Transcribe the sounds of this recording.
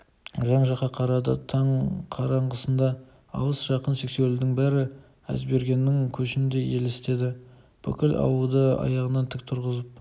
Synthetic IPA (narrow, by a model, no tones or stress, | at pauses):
ʒɑɴʒɑqɑqʰɑɾɑd̪ɑt̪ʰɑɴqʰɑɾɑɴʁəsənd̪ɑ | ɑ̰wəsʒ̥ɑqənse̞kse̞lud̪ɪŋbæɾɪ | æ̰zbe̞ɾɡʲe̞nːɪŋkʲʰɵʃɪnd̪e̞je̞lest̪e̞d̪ɪ | b̥ʏkʲɪlʔɑ̰wəlˠd̪əɑ̰jɑʁənɑnt̪ʰɪk̚t̪ʰʊɾʁəzəp̚